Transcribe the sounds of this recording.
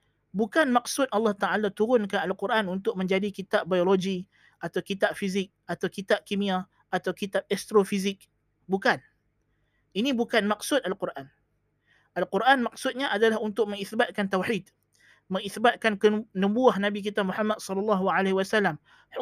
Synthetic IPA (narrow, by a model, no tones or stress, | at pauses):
bukanmaksʊt̪̚ɑlːɑht̪aalat̪uɾʊnkanalquɾʔanunt̪ʊk̚mə̃ɲd͡ʒadikit̪aʔ̚bajoloɡi | ʔat̪awkit̪ap̚fizɪk̚at̪awkit̪ap̚kimĩa | ʔat̪awkit̪ap̚ɛst̪ɾofizɪk̚ | bukan | inibukanmak̚sʊt̪̚alqurʔan | ʔalquɾʔanmaksʊt̪̚ɲaʔadalahunt̪ʊk̚məŋiθbat̪̚kant̪awħid̪̚ | mə̃ŋiθbat̪̚kankənəmbuahnãbik̬it̪amuħamːat̪̚sɔlɔlːɑɦuʕaleɦwasalːam